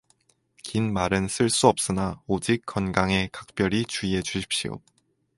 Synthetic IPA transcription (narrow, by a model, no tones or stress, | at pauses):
kinmaɾɯns͈ʰɯɭs͈uʌp̚s͈ɯnaod͡ʑik̚k͈ːʌnɡaŋe̞kak̚p͈jʌɾit͡ɕuie̞t͡ɕuɕʰi̥p̚ɕ͈io̰